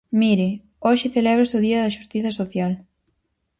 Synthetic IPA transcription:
miɾɪ | oʃɪθelɛβɾɪsoðiɐðɐʃust̪iθɐsoθjal

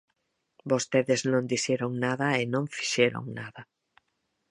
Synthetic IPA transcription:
bost̪eðɪznõnd̪isɛɾoŋnaðɐenõŋfi̥ʃɛɾo̰ŋnaðɐ

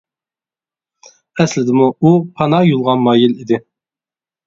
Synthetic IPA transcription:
ɛslɪd̪ɪmuupʰɑnɑjulˠʁɑnmɑːjilid̪ɪ

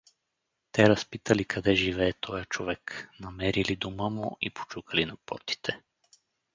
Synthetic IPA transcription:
t̪ɛɾɐspit̪əlikʰɐd̪ɛʒivɛːt̪ʰɔjət͡ʃovɛknɐmɛɾilid̪uməmuipo̥t͡ʃukəlinɐpɔ̰ɾt̪i̥t̪ʰɛ

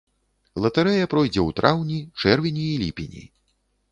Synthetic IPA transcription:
lˠɐt̪ɐɾɛjɐpɾɔjd͡zʲɛwt̪ɾʔawnʲit͡ʂɛrvʲinʲiːlʲḭpʲinʲḭ

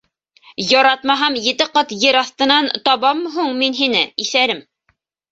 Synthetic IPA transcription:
jɑɾɑt̪mɑɦɑmjɘ̆t̪ɘqɑt̪jɘɾɑθt̪ɤ̆nɑnt̪ɑβɑmːɦuɴminɦinɘiθæɾɘm

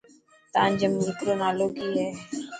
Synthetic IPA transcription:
t̪ãːnd͡ʒəmuːɾt̪ɾoːnaːloːɡiːɦɛː

